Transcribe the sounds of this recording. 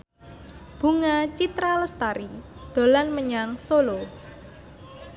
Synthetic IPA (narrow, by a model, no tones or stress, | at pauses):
b̥ṳŋat͡ʃit̪ɾaləst̪aɾid̪̥o̤lanməɲaŋsolo